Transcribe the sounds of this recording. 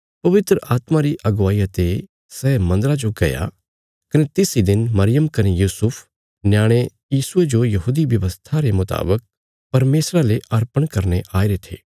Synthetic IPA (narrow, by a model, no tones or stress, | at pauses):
pɐʋɪt̪ɾəʔaːt̪maɾiʔɐɡʋaːiat̪e | sɛːmɐ̃nd̪əɾad͡ʒoɡɐja̰ | kɐnet̪ɪsid̪ɪnmɐɾɪjəmkɐnejuːsʊpʰ | njaːɽ̃e | jiːsʊed͡ʒojɐɦuːd̪iʋjɐʋəst̪ʰaɾemʊt̪a̰ːbək̚ | pɐɾmeːsɾaleʔɐɾpəɽ̃kɐɾneʔaːiɾet̪ʰḛː